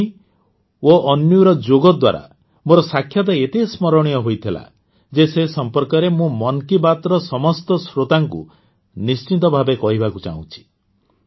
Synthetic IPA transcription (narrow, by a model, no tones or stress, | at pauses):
i | oɔnjuɾɔd͡ʒoɡɔd̪wa̰ɾa̰ | moɾɔsakʰːjɔt̪̬aet̪esmɔɾɔɽ̃ijɔɦojt̪ʰila̰ | d͡ʒesesɔmpɔɾkɔɾemũmɔnkibat̪ɾɔsɔmɔst̪ɔsɾot̪aŋkṵ | nist͡ʃit̪ɔbʱabekɔɦibʱakut͡ʃa̰ɦũt͡ʃʰi̥